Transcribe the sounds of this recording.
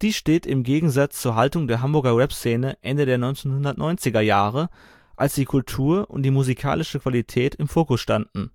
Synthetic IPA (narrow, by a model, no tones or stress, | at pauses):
d̥iːʃteːtɪmɡeːɡŋ̩zat͡st͡suːɐɦaltʊŋdeːɐɦambʊɐɡɐwɛpst͡seːnəʔɛndədeːɐnɔʏnt͡seːnhʊndɐtnʔɔʏnt͡sɪɡɐjaːʁə | ʔalsd̥iːkʰʊltʰuːɐʔʊ̰ntd̥iːmuzikʰa̰ːlɪʃəkv̥alitʰɛːtɪmfoːkʊsʃtandn̩